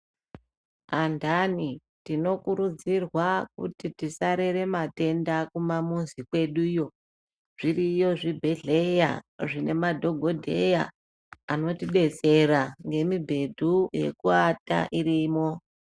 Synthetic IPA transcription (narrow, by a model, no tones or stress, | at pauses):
andani | tino̞kuɾud͡zirwak̚ṵtitisaɾe̞ɾe̞mate̞ndakumamunzikwe̞ɗujo̞ | ʐ̥irijo̞ʐibʱe̞ɮe̞ja̰ʐine̞madʱo̞ɡʱo̞dʱe̞ja̰ː | no̞tiɗe̞t͡se̞ɾaŋɡe̞mibʱe̞dʱuje̞̰kuata̰ʔirimo̞